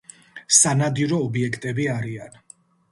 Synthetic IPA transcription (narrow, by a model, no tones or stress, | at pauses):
sanad̪iɾɔːbiɛkʰt̪ʼɛbiaɾian